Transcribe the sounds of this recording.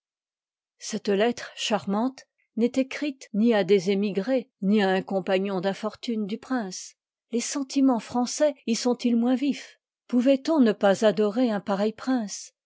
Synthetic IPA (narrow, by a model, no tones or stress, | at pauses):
sɛt̪lɛt̪χʃaʁmɑ̃t̪ | nɛt̪ekχit̪niad̪ezemiɡʁeniaɛ̃kɔ̃paɲɔ̃d̪ɛ̃fɔʁt̪ynd̪ypχɛ̃s | lesɑ̃t̪imɑ̃fχɑ̃sɛisɔ̃t̪ilmwɛ̃vif | puvɛt̪ɔ̃nəpazad̪ɔʁeɛ̃paʁɛjpχɛ̃s